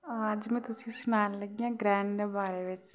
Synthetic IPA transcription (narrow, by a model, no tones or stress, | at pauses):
əd͡ʒmɛ̃ːt̪ʊsĩsʊnaːnləɡijãːɡɾɛ̃ːɳɖnebaːɾeʋɪt͡ʃ